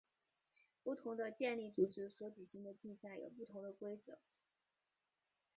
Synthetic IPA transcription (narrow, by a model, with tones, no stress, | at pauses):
pu˥˩t̪ʰʊ˧˥ŋd̪ə˧t͡ɕjɛ˥˧nli˥˩t͡su˨˩ʈ͡ʂɻ̩˧˥swɔ˧˥t͡ɕy˨˩ɕi˥ŋd̪ə˨t͡ɕi˥˧nɕja˥˩jo̰˨˩ʊp̬u˥˩t̪ʰʊ˧˥ŋd̪ə˧kwe˥ɪt͡sɤ̰˧˩˦